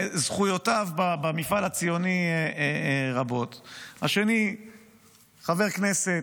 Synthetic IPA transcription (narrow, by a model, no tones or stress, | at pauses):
zχujotavbabamifalat͡sijo̞ni | ʁabo̞t̪haʃe̞ni | χave̞ʁkne̞se